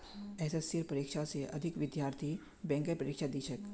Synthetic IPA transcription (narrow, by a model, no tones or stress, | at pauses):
ɛsesːiɾpəɾikʃaseʔɐ̰d̪ʱɪkʋɪd̪jaːɾt̪ʰi | bɛ̃ŋkəpɾəɾɪkʃad̪iːʃək